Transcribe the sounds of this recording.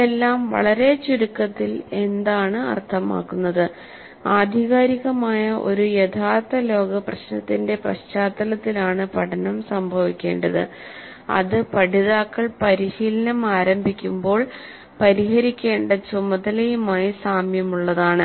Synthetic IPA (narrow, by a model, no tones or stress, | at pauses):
elːaːmʋɐ̰ɭɐɾe̞t͡ɕuɾukːɐt̪ːile̞nd̪aːɳɨɐ̰rt̪ʰɐma̰ːkːunːɐðɨ | aːd̪ʱiɣaːɾiɣɐmaːjɐʔo̞̰ɾujet̪ʰaːrt̪ːɐlo̞ːɡɐprɐɕnɐt̪ːinde̞prɐ̰ɕt͡ɕaːt̪ːɐlɐt̪ːilaːɳɨpɐʈʰɐnɐmsɐmbʱɐʋikʲːe̞̰ːɳɖɐðɨ̰ | ɐ̰ðɨpɐɽiðaːkːɐɭpɐɾiɕiːlɐnɐmaːɾɐmbʱikʲːumbo̞ːɭ | pɐɾiɦɐɾikʲːe̞ːɳɖɐt͡ɕumɐd̪ɐlɐjumaːjisaːmjɐmuɭːɐðaːɳɨ